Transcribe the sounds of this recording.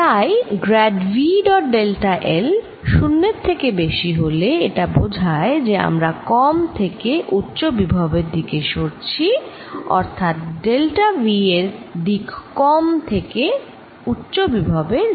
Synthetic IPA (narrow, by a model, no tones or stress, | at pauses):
t̪ajɡɾɛɖviɖɔʈ̚ɖelʈaʔel | ʃunːeɾt̪ʰːekebeʃiɦoleeʈabod͡ʑʱaed͡ʑea̰mɾakɔmt̪ʰekeʔutːɕobibʱabeɾd̪ikeʃoɾt͡ɕʰi | ɔ̰ɾt̪ʰat̪̚ɖelʈavieɾɖikkɔmt̪ʰeke | utːɕobibʱabeɾ